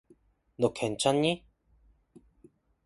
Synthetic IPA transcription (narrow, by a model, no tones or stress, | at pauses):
d̪okʰent͡ʃani